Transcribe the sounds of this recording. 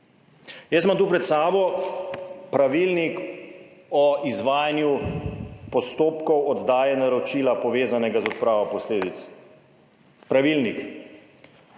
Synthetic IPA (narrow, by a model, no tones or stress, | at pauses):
jɛsmamt̪uːpɾɛt̪saːbɔ | pɾaʋilnik | ɔizʋaːjanju | pɔst̪oːpkɔwɔd̪d̪aːjɛnaɾɔt͡ʃiːlapɔʋeːzanɛɡazɔt̪̚pɾaːʋɔpɔsleːd̪it̪s | pɾaʋilnik